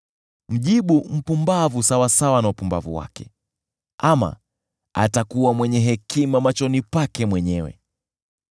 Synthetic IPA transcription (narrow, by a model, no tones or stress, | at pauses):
m̩ʄiɓum̩pumbavusawasawanaupumbavṵwa̰kɛ | ama̰ | a̰takuwamwɛɲɛɦɛkimamat͡ʃɔnipakɛmwɛɲɛwɛ̰